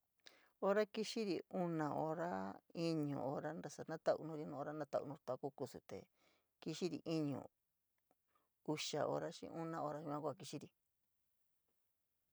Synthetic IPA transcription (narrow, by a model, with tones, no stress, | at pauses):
o˧ɾa˦ki˦ʃi˦ɾi˨u˦nã˨ʔo˧ɾa˦i˦ɲṵ̃˨o˧ɾa˦nɾa˧sa˧nã˦t̪a˦˧ʔṵ˧nũ˦ɾi˧nũ˧˦o˧ɾa˦nã˦t̪a˧˨ṵ˧nũ˧ɾt̪a˧ku˦ku˧sṵ˨t̪ḛ˨ | ki˧ʃi˦ɾḭ˨ʔi˦ɲṵ̃˨ | u˧ʃa̰˨ʔo̰˧ɾa˦ʃḭ̃˧˦ʔũ˦nã˧o˧ɾa˦ʃi˧mã˦˧kʷa˧˨ki˧ʃi˦ɾi˨